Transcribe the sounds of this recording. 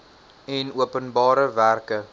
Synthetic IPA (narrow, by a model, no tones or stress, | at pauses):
ɛnuəpənbɑːɾəværkə